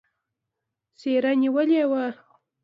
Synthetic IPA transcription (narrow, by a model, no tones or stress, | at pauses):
seɾaniwəlewa